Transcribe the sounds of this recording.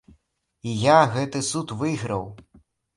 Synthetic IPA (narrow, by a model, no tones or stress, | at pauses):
ijaɣɛt̪ɨsut̪vɨɣɾɐw